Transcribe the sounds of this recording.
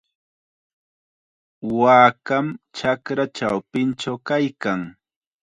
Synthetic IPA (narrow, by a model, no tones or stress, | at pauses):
waːkamt͡ʃakɾat͡ʃawpɪnt͡ʃawkajkaŋ